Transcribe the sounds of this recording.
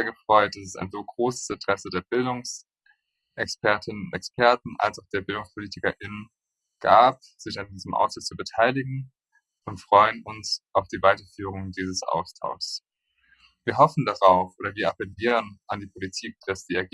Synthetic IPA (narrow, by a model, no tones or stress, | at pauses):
ɐɡəfʁ̥ɔʏt̚d̥asɛ̥saɪnzoːɡʁoːsə̥sɪntəʁ̥ɛsədeːɐbɪldʊŋs | ʔɛkspɛɐtʰɪnənʊntɛkspʰɛɐtn̩ʔa̰lsaʊxd̥eːɐbɪldʊŋspʰoliːtʰɪkɐʔɪnən | ɡ̥aːp̚ | z̥ɪçandiːzəmʔa̰ʊstɪt͡subətʰaɪlɪɡŋ̩ | ʊntfʁ̥ɔʏənʊnsʔaʊfd̥iːvaɪtɐfyːʁ̞ʊŋdiːzəsʔa̰ʊstʰa̰ʊs | viːɐɦɔfn̩daʁaʊfʔoːɾɐviːɐapɛliːʁ̞ənʔandiːpʰolitʰiːk̚d̥asz̥iːaɡ